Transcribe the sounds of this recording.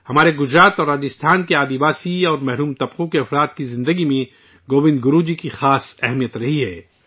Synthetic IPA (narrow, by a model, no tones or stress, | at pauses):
hɐmaːɾeɡʊzɾaːt̪ɔːɾaːd͡ʒɪst̪ʰaːnkeaːd̪ibaːsiɔːɾmɛɦɾuːmt̪ɐbqõkeɐfɾaːt̪kizɪ̃nd̪əɡimẽ | ɡoːbɪ̃nd̪ɡʊɾuːd͡ʒikixaːsɛɦmijət̪ɾɐɦiɦɛː